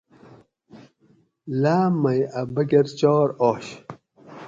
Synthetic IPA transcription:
laːmɐjɐbɐɡeɾt͡ɕoːɾoːɕ

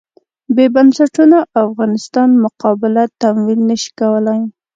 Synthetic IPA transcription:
bebansaʈunaʔafɣɑnɪst̪ɑnmʊqɑbɪlat̪amwilnəʃi̥kawəlaj

